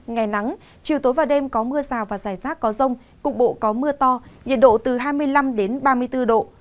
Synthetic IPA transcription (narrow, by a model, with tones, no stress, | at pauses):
ŋa˨˩jna˨˦ŋ | t͡ɕi˨˩əwt̪o˨˦jvaː˨˩ɗe˧mkɔ˨˦mɨ˧əzaː˨˩wvaː˨˩zaː˧˩jzaː˦˥t̚kɔ˨˦zə˧wŋ͡m | kʊ̰˧˥ŋ͡m̚ɓo̰˧˨kɔ˨˦mɨ˧ət̪ɔ˧ɲḭ˨n̚ɗo̰˧˨t̪ɨ˨˩ɦaː˧jmɨ˧əjla˧mɗe˨˦nɓaː˧mɨ˧əjt̪ɨ˧ɗo̰˧˨